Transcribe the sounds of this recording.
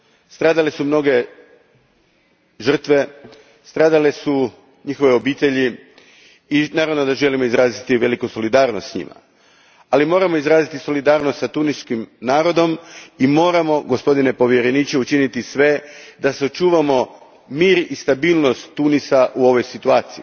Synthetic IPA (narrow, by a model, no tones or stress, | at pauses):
st̪ɾaːd̪alesumno̞ɡe̞ | ʒr̩t̪ʋe̞ | st̪ɾaːd̪alesu | ɲixo̞ʋeo̞biːt̪e̞ʎi | inaːɾaʋnod̪aʒe̞limoizɾaːzit̪iʋe̞likuso̞lid̪aːɾnost̪sɲḭma̰ | alimo̞ːɾamo̞izɾaːzit̪iso̞lid̪aːɾnost̪sat̪uniskimnaːɾo̞d̪o̞mimo̞ːɾamo̞ɡo̞spo̞d̪ine̞po̞ʋje̞ɾe̞niːt͡ʃe̞ut͡ʃinit̪isʋe̞d̪aseot͡ʃuːʋamo̞ | miːɾist̪abiːlˠno̞st̪ːunisaʔuo̞ʋo̞jsit̪uaːt̪sii